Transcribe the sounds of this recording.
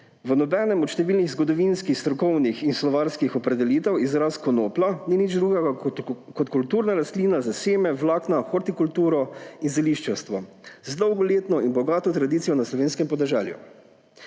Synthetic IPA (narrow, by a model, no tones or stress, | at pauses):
ʋənɔbɛnɛmɔt̪ʃt̪ɛʋiːlniɣzɡɔd̪ɔʋinskixst̪ɾɔkɔwnixinslɔʋaɾskixɔpɾɛd̪ɛliːt̪ɛwizɾaskɔnoːplaninid͡ʒd̪ɾuːɡɛɡa | kɔt̪kult̪uːɾnaɾast̪liːnazaseːmɛwlaːknaxɔɾt̪ikult̪uːɾɔinzɛliʃt͡ʃɛwst̪ʋɔzd̪ɔwɡɔleːt̪nɔinbɔɡaːt̪ɔt̪ɾad̪iːt̪sijɔnaslɔʋeːnskɛmpɔd̪ɛʒɛljṵ